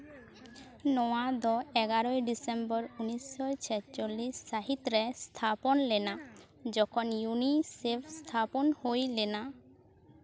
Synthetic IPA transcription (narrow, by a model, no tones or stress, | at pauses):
nɔwad̪ɔɛɡaɾɔjɖisembɔɾunisɔjt͡ʃʰɛt͡ʃolːisːaɦit̪ɾest̪ʰapɔnlena | d͡ʒɔkʰɔnjunisepʰst̪ʰapɔnhojlena